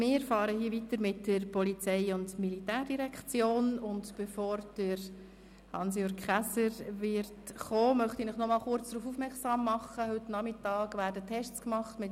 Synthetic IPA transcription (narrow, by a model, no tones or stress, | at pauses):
mɪːfɑːɾəɦiːəʋitəɾmɪtdəɾpɔlit͡sɛɪʊndmilitæːɾd̥iɾɛkχt͡sjoːnʊndb̥ɛfoːɾd̥əɾ | hɑ̰ns̬jøɾɡχæsəɾʋɪrtχoːmœχtinɪχnɔmɑːlχʊɾt͡sd̥ɾuːfuːfmɛksɑːmːɑχəhʏtnɑmɪtɑːɡvʋæːɾdətʰːɛʃt͡skmɑχtmɪt